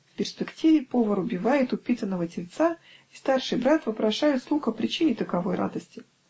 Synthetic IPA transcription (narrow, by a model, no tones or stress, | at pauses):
fpʲɪrspʲɪktʲivʲɪpovəɾʊbʲɪvajɪt̪ʊpʲit̪ənːəvətʲɪlʲt̪sa | ist̪arʂɨjbɾat̪vəpɾɐʂajʊt̪slˠuxəpɾʲɪt͡ɕinʲɪt̪əkɐvo̞jɾʔa̰d̪əsʲtʲɪ